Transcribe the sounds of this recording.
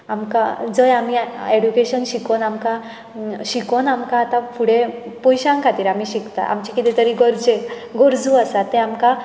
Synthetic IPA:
amkad͡zəjamieɽukeɕənɕikonamka | ɕikonamkaːt̪ãfʰuɽe | pɔjɕãŋkʰat̪iːɾamiɕikt̪a̰ʔa̰mt͡ɕakit̪et̪əɾiɡɔɾd͡zeɡoɾd͡zuasat̪ẽamka

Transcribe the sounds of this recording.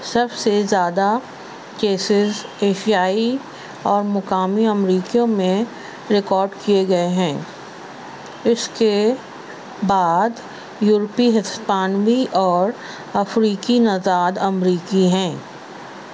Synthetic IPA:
sɐbsezjaːd̪a | keːsɪzeːʃijaːi | ɔːɾmʊkaːmiɐmɾiːkijõmẽ | ɾɪkɔːɾɖkieɡɐeɦɛ̃ː | ɪske | baːd̪ | juːɾpiɦɪspaːnwiʔɔːɾ | ɐfɾiːkinɐzaːd̪ɐmɾiːkiɦɛ̃ː

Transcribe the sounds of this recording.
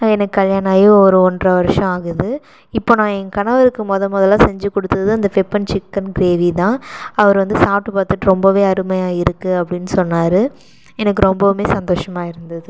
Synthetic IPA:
nãːɛnɐkːɯkːɐljaːɳaːjʊ̃ɔɾɯɔndrɐʋɐɾʂɐ̃aːɣɯðɯ | ɪpːoːnãːɛnkɐɳɐʋɐɾɯkːɯmɔðɐmɔðɐlːãːsɛɲd͡ʒɯkːɔɽɯt̪ːɐðɯɐnd̪ɐfɛpːɐnt͡ʃɪkːɐnɡɪɾeːʋit̪ãːɐʋɐɾʋɐnd̪ɯsaːp̚ʈːɯpaːɾt̪ːɯʈːɯɾɔmbɐʋeːɐɾɯmɐjaːɪɾɯkːɯɐpːɐɽɪnːɯsɔnːaːɾɯ | ɛnɐkːɯɾɔmbɐmeːsɐnd̪oːʂɐmaːɪɾɯnd̪ɐðɯ

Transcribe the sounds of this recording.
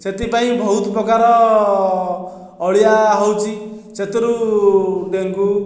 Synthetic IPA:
set̪ipaĩbʱɔɦut̪pɾɔkaɾɔ | ɔɭjaɦowt͡ʃʰi | set̪ɔɾu | d̪eŋɡu

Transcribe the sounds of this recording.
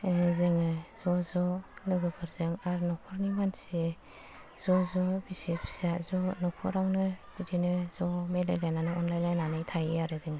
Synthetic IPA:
zɯŋɯz̥ɔzɔlɯɡɯbʰɯɾzɯŋaɾnɔkʰɔɾnimanse | z̥ɔzɔbisipʰi̥sazɔnɔkʰɔɾaŋnɯbidinɯz̥ɔmelajlajnanɯɔnlajlajnanɯjtʰajɯaɾɯzɯŋ

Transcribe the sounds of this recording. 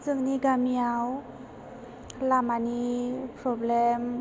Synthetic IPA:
zɯŋniɡamiaw | lamanipɾɔblem

